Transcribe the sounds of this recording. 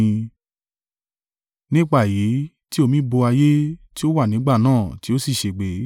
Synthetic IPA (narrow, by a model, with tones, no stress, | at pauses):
nĩ˦k͡pa˦˨ji˨˦ | ti˦o˦˧˨mĩ˦bo˧a˧je˦ti˦o˦wa˦˨nĩ˨˦ɡ͡ba˦˨nãː˦˨ti˦o˦si˦˨ʃe˨ɡ͡be˨˦